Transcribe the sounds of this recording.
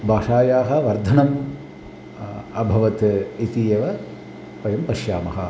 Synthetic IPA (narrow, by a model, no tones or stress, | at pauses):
bʱaːʂaːjaːɦɐ̆ʋɐɾd̪ʱɐnɐm | ɐbʱɐʋɐt̪it̪iːjɐʋɐ | pɐjɐmpɐʃjaːmɐɦɐ̰